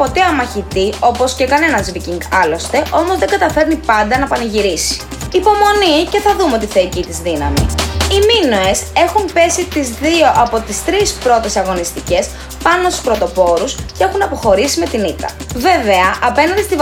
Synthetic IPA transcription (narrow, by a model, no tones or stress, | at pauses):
po̞t̪eɐmɐçit̪io̞po̞sce̞kɐne̞nɐzviciŋɡɐlo̞st̪e̞ʔo̞mo̞zðe̞ŋɡɐt̪ɐfe̞ɾnipɐnd̪ɐnɐpɐnɐʝiɾisi̥ | ipo̞mo̞nice̞θɐðumeo̞t̪iθeicit̪izðinɐ̰mḭiminoe̞se̞xumpe̞sit̪izðio̞ʔɐpo̞t̪ist̪ɾispɾo̞t̪e̞sɐɣo̞nist̪ice̞s | pɐno̞st̪uspɾo̞t̪o̞po̞ɾuscee̞xunɐpo̞xo̞ɾisime̞t̪init̪ɐ̰ | ve̞ve̞ɐʔɐpe̞nɐnd̪ist̪iv